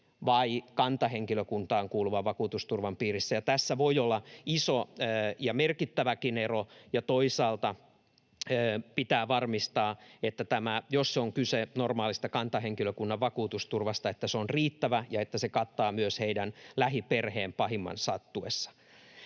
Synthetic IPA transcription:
ʋɑikɑnt̪ɑɦeŋkiløkunt̪ɑːŋkuːluʋɑʋɑkuːt̪ust̪urʋɑmpiːrisːæjɑt̪æsːæʋoiolːɑisoːjɑmerkit̪ːæʋækinerojɑt̪oisɑːlt̪ɑ | øːpit̪æːʋɑrmist̪ɑːet̪ːæt̪æmæjosseoŋkysenormɑːlist̪ɑkɑnt̪ɑɦeŋkiløkunːɑʋʋɑkuːt̪ust̪urʋɑst̪ɑet̪ːæsonriːt̪ːæʋæjɑet̪ːæsekɑt̪ːɑːmyøsheidænlæɦiperheːmpɑɦimːɑ̰nsɑt̪ːuesːɑ̥

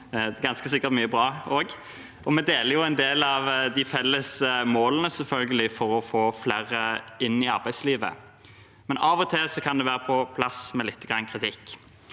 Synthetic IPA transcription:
ɡɑnskəsɪkːəʁt̪myːəbʁɑːoːɡ | ɔmɛd̪eːləʁjʊæɛɪnd̪eːlɑʋd̪ɪfɛlːəsmoːlənəsɛlfœlɡəlɪfɔɾɔfoːflæːɾəɪnːɪɑɾbæɪsliːʋə̰ | mɛnɑːʋɔt̪ʰesɔkʰɑnd̪ɛʋæːɾəpʰɔpʰlɑsmɛlɪt̪ːəɡʁɑnːkʰʁɪt̪ʰɪkː

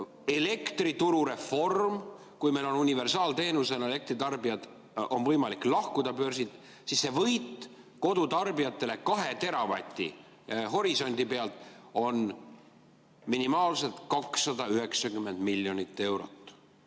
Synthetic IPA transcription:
e̞le̞kt̪rit̪uɾuɾe̞fo̞rm | kujme̞jlo̞nunʲive̞rsɑːlt̪e̞ːnuse̞nele̞k̚t̪rit̪ɑrbijɑd̪̥ | o̞nvɤjmɑliklɑhkud̪̥ɑpø̞rsit̪ˑ | sisːe̞vɤjt̪ː | ko̞d̪̥ut̪ɑrbijɑt̪ˑːe̞le̞kɑɦe̞t̪e̞ɾɑvɑ̰t̪ʲːˑḭ | ɦo̞ɾiso̞nʲd̪̥ʲipe̞ɑlt̪ˑo̞n | minimɑːlse̞lt̪kɑksːɑd̪ɑyhe̞ksɑkymːe̞nd̪̥milːjo̞nit̪ːe̞wɾo̞̰t̪ːˑ

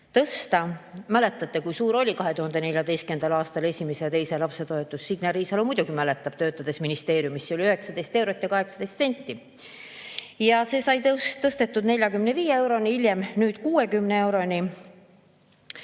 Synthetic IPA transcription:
t̪ɤst̪ɑmæle̞t̪ːˑɑt̪ːe̞kujsuːɾolʲikɑɦe̞t̪uhɑnd̪̥e̞ne̞lʲjɑd̪e̞jst̪kend̪̥ɑlɑːst̪ɑle̞sʲimesejt̪e̞jse̞lɑpse̞t̪o̞e̞t̪ːˑusːiɡ̥nɑɾiːsɑlomujd̪uɡimæle̞t̪ːˑɑb̥̚t̪øːt̪ːˑɑd̪̥e̞sminist̪eːɾjumisːolʲiyɦe̞ksɑd̪e̞jst̪e̞wɾo̞t̪ːˑjɑkɑɦe̞ksɑd̪̥e̞jst̪se̞nʲt̪ːˑi | jɑse̞ːsɑjt̪t̪ɤst̪e̞t̪ːˑud̪ne̞lʲjɑkymneviːjeewɾo̞niilʲjemnyːd̪̥kuːe̞kymnee̞wɾo̞nʲi

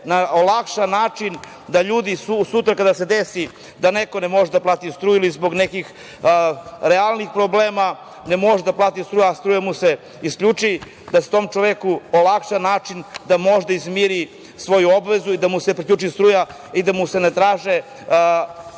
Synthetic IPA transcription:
naolˠakʃanaːt͡ʂin | d̪aʎuːd̪isusut̪ɾakad̪ased̪esi | d̪aneko̞nemo̞ʒed̪aplˠaːt̪ist̪ɾuːilizbo̞ɡnekix | ɾealˠnixpɾobleːma | ne̞mo̞ʒed̪aplˠaːt̪ist̪ɾuːjaːst̪ɾuːjamuse | iskʎʲut͡ʂi | d̪aset̪o̞mt͡ʃoʋekuolakʃanaːt͡ʃind̪amo̞ʒd̪aizmiɾi | sʋo̞juo̞bʋe̞zuid̪amuse̞pɾikʎut͡ʃist̪ɾuːja | id̪amusenet̪ɾaːʒe

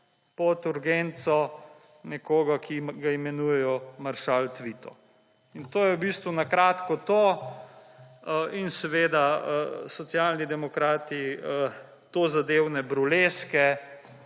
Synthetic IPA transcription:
pɔt̪uɾɡent̪sɔ | nɛkoːɡakiɡaimɛnujɛjɔmaɾʃalt̪ʋiːt̪ɔ̰ | int̪oːjɛwbist̪ʋunakɾat̪kɔt̪oː | insɛʋeːd̪asɔtsjalnid̪ɛmɔkɾaːt̪iə | t̪oːzad̪eːwnɛbɾuleskɛ

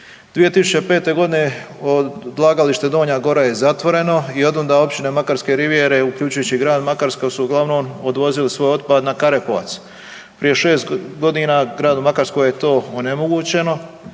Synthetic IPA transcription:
d̪̥ʋije̞t̪isu̥t͡ɕepe̞ːt̪e̞ɡo̞d̪ine | od̪lˠaɡaliʃt̪ed̪o̞ːɲaɡo̞ɾaje̞zat̪ʋo̞ɾe̞no̞io̞d̪ond̪ao̞pt͡ɕine̞makaɾske̞ɾiʋje̞ɾe̞ukʎut͡ʃujuːt͡ɕiɡɾaːd̪makaɾskosuːɡlˠaʋno̞ːmod̪ʋo̞zilisʋo̞ːjo̞d̪pad̪nakaɾepoʋa̰t̪s | pɾije̞ʃe̞ːst̪ɡo̞d̪inaɡɾaːd̪umakaɾsko̞jjet̪o̞ːone̞mo̞ɡuːt͡ɕe̞no̞

